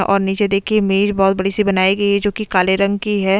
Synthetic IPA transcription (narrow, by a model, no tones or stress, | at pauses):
ʔɔ̰ːɾniːt͡ʃed̪eːkʰiemeːd͡ʒbɔːt̪̚bɐɽisibɐnaːiɡɐiɦɛd͡ʒoːkikaːleɾɐ̃ŋɡkiɦɛː